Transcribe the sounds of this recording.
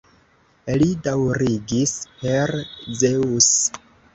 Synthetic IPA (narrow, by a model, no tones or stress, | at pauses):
lidawɾiɡispeɾzeus